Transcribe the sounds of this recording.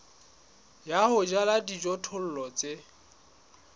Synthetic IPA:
jahʊd͡ʒaladid͡ʒɔtʰʊl̩lɔt͡sʼe

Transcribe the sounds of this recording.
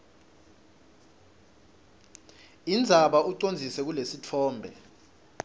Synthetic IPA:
ind͡zʱaɓauǀond͡zʱisɛk̬ulesitʰɔːmbʱɛ̰

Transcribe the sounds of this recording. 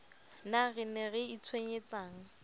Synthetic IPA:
naɣɪnɛɣɛit͡sʰweɲet͡saːŋ̩

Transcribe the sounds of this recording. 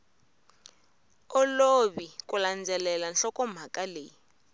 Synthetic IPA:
ɔloβikuland͡zʱɛlɛlanɬɔkɔm̤akʼaleːji

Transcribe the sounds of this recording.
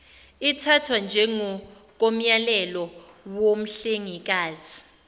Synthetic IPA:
itʰatʰwand͡ʒʱɛŋɔ | k̬ʼom̩jalɛlɔ | wom̩ɬeŋik̬aːzi

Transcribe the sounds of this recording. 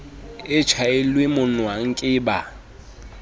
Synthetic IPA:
ɪt͡ʃʰaɪlwemʊnwaŋ̩kʼɪːba

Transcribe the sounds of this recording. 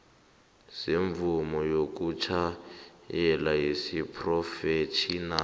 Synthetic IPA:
siɱvumɔjok̬ʼut͡ʃʰajɛlaɦisipʰrɔfet͡ʃʰina

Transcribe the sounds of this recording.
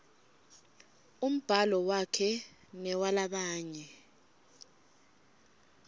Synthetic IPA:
um̩b̥ʱalɔwakʰɛ | nɛwalaɓaːɲɛ

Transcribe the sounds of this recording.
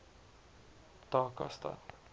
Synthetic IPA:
t̪ɒːkɒst̪ɒ̰t̪ː

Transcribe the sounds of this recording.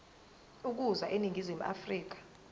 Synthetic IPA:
uk̬uzaʔeniŋɡʱizimuʔa̰friːk̬ḁ

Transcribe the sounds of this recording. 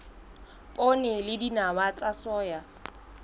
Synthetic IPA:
pʼonelɪdinawat͡sʼasɔːja

